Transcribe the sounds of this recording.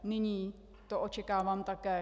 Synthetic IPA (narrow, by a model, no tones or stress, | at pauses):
nɪɲiː | t̪oʔot͡ʃɛkaːvaːmt̪akɛː